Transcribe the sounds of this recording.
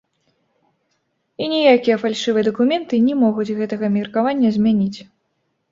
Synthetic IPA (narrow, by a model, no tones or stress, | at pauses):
inʲijakʲijɐfalʲʂɨvɨɐd̪ɐkumʲɛnt̪ɨnʲɛmɔɣud͡zʲɣɛt̪ɐɣɐmʲirkavanʲːɐzʲmʲanʲit͡sʲ